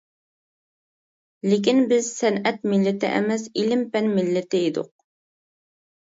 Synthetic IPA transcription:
lek̬ʲinbɪzsɛnɛt̪̚mɪlːɪt̪ɪʔɛ̰mɛsilɪmpɛnmɪlːɪt̪ɪid̪ʊ̰q̚

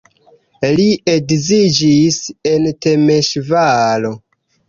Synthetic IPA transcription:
lieɡzid͡ʒise̞nte̞meʃvalo̞

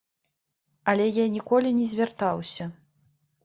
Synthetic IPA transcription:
ɐlʲɛjanʲikɔlʲinʲɛzʲvʲart̪awsʲɐ

